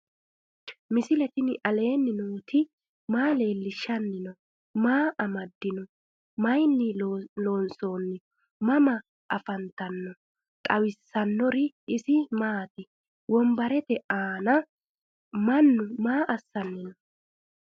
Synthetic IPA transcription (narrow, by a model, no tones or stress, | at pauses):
mɪsɪlɛt̪ɪnɪʔɐle̞ːnːɪnuːt̪ɪ | maːle̞ːlːɪʃːɐnːɪnɔ | maːʔɐmɐd̪ːɪnɔ | mɐjnːɪloːnso̞ːnːɪ | mɐmɐ | ʔɐfɐnt̪ɐnːɔ | k̪ʼɐwɪsːɐnːɔɾɪ | ɪsɪmaːt̪ɪ | wɔmbɐɾɛt̪ɛʔaːnɐ | mɐnːʊmaːʔɐsːɐnːɪnɔ